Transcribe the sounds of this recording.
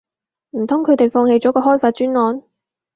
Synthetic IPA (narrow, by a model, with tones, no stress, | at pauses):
m̩˨˩t̪ʰʊ˥ŋkʰɵ˨˧ɥt̪e˨jfɔː˧ŋhe˧jt͡sɔː˨˥kɔː˧ɦɔː˥jfaː˧t̚t͡ʃyː˥nŋɔː˨˥n